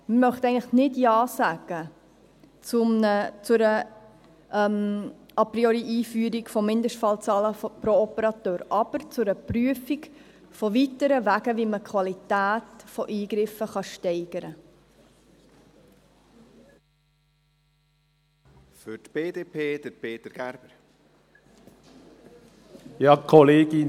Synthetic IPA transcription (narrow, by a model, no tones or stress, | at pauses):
məmœχt̪ɛɪɡŋəχnɪdjɑːsæɡ̥ə | t͡sʊmnət͡sʊɾə | ʔɛm | ɑpɾioɾiʔiːfyːəɾikfɔmɪndəʃtfɑlt͡sɑːləpɾoɔpəɾɑt̪øːɾʔɑb̥əɾt͡sʊɾəpryəfik | fɔvitəɾəvæːɡəviməkʰχʋɑlitæːtfoʔiːɡ̥ɾɪfəχɑʃtɛɪɡ̥əɾə | fʏɾtb̥eːd̪eːpʰeːd̥̪əɾpʰeːt̪əɾɡ̥æɾb̥əɾ | jɑːkʰɔleːɡɪ